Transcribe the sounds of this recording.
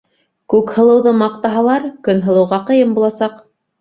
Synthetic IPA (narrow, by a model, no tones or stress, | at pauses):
kʉkhɤ̆lˠɤ̆wðɤmɑq̚t̪ɑɦɑlˠɑɾkɵnɦɤ̆lˠɤ̆wʁɑqɤ̆jɤmbulˠɑsɑq